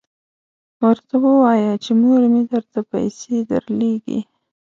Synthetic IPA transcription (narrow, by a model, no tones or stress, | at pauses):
wəɾt̪awəwɑjat͡ʃemuɾmed̪əɾt̪apa̰jsed̪ə̰ɾleɡḭ